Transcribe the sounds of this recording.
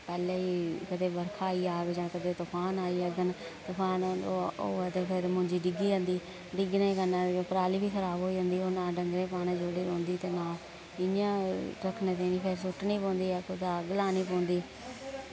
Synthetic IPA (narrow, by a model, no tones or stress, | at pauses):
pɛːleːiːkəd̪eːbəɾkʰaːiːaːɡd͡ʒãːkəd̪eːt̪ʊpʰaːnaːiːəɡən | t̪ʊpʰaːnːooːɛːt̪eːpʰɪɾmʊ̃ɲd͡ʒiːɖɪɡiːd͡ʒãːnd̪iː | ɖɪɡnẽːkənaːd͡ʒõːpəɾaːliːbiːkʰəɾaːbɦoːiːd͡ʒə̃ːnd̪iːoːnãːɖəŋɡɾẽːpaːnẽːd͡ʒoːɽiːɾõːnd̪iːt̪eːnãː | ɪnɪjãːɾəkʰnẽːt̪ẽːniːpʰɪɾsʊʈːnĩːpõːnd̪iːɛːkʊd̪aːɡəlãːniːpõːnd̪iː